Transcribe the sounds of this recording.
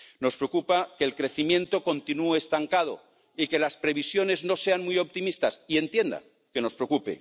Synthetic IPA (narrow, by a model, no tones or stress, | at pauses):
no̞spɾeokupakeːlkɾe̞θimjẽ̞nt̪o̞ko̞nt̪inueːst̪aŋkað̞o̰ | ike̞laspɾe̞βisjo̞ne̞zno̞se̞anmujo̞p̚t̪imist̪asie̞nt̪je̞nd̪a̰ | ke̞no̞spɾeokupḛ